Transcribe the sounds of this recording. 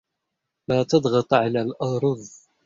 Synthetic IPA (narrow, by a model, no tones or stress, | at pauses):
laːt̪ɑd̪ˤɣɑt̪ˤʕalaːlʔɑɾˤʊðˤ